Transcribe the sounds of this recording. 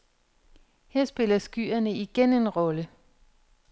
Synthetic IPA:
heɐ̰sb̥e̝lɐsɡ̥y̰ːɐnəiɡ̥ene̝nʁɒ̽lə

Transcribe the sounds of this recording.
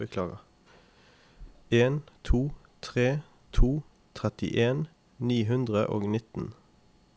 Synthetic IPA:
əkʰlɑːʁə̰ | eːnt̪ʰuː | t̪ʰʁeː | t̪ʰuː | t̪ʰʁɛt̪ɪ̰ʔeːn | niːɦʉnd̪ʁəʔo̰ːɡnɪt̪n̩

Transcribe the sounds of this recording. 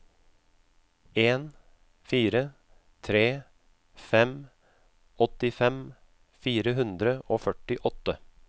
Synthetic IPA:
eːn | fiːɾə | t̪ʰɾeː | fɛm | ɔt̪ɪfɛm | fiːɾəɦʉnd̪ɾəoːfœʈɪʔɔt̪ə

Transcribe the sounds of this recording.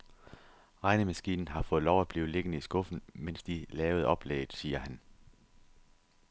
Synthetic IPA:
ʁɑ̈ɪnəmæsɡ̥ḭːnn̩ɦɑ̈fɔ̽ːð̩ˠlɒʊæb̥liːʊle̝ɡ̥ənəisɡ̥ɔ̽fn̩men̰sd̥ilɛːʊð̩ˠɒ̽b̥lḛːɪð̩ˠsiːɐhæn

